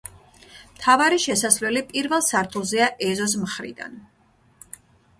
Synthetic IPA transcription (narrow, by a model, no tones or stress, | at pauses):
mt̪ʰavaɾiʃɛsasvlɛlipʼiɾvɛlˠsaɾt̪ʰulˠzɛaʔɛzɔs̬mχɾḭd̪a̰n